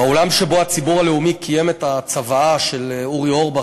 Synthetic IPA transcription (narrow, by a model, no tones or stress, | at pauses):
aolamʃebo̞at͡sibuʁaleumikʰije̞metat͡savaaʃe̞luʁioʁba